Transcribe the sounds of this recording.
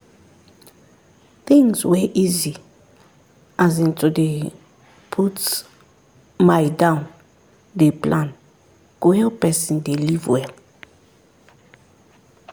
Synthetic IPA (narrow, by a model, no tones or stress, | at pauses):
θĩŋzwɛʔizi | azĩntude | pʰut | majdãʊ̃n | deplãn | kohɛlpɛsĩndelivwɛl